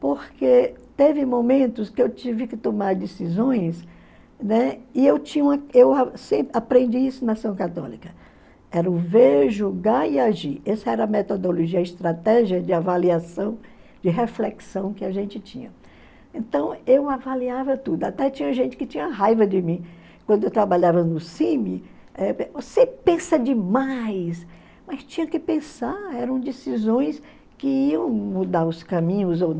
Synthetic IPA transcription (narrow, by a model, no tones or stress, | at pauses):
poɾket̪evɪmomẽnt̪ʊskɪewt͡ʃivɪkɪt̪omaɾd̪esizõj̃s | nɛɪewt͡ʃĩɲũmɐewasẽpɾapɾẽnd͡ʒiisʊnasɐ̃w̃kat̪ɔ̰likɐ | ɛɾɐʊveʒuɡaiaʒiɾɛsɐɛɾɐmet̪od̪oloʒiɐɪst̪ɾat̪ɛʒiɐd͡ʒɪavaliasɐ̃w̃ | d͡ʒɪɦeflɛksɐ̃w̃kɪaʒẽnt͡ʃɪt͡ʃĩɲɐ | ẽnt̪ɐ̃w̃ewavaliavɐt̪ud̪ʊat̪ɛt͡ʃĩɲɐʒẽnt͡ʃɪ̥kɪt͡ʃĩɲɐɦajvɐd͡ʒɪmĩ | kwɐ̃nd̪ʊewt̪ɾabaʎavɐnʊsĩmɪ | ɛvosepẽsɐd͡ʒɪmajs | mɐst͡ʃĩɲɐkɪpẽsaɾɛɾɐ̃w̃d͡ʒesizõj̃s | kɪiɐ̃w̃mud̪aɾʊskãmĩɲʊzon